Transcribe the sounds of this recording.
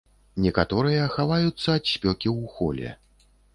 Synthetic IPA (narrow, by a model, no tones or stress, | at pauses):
nʲɛkat̪ɔɾɨjɐxavajut̪sːɐːt̪ɕpʲɔkʲiwxɔ̰lʲɛ̰